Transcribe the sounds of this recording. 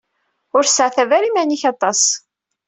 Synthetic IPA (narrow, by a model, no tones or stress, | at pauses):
ʊɾsʕθævaɾimæniçɑt̪ˤːɑs